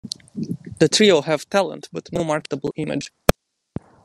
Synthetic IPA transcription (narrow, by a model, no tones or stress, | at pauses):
ðɨtʰɹioʊhɨv̥tʰælˠə̰̃ntb̥ʌtnomɑɹkətəbl̩ˠɪ̃mɨ̰d͡ʒ̥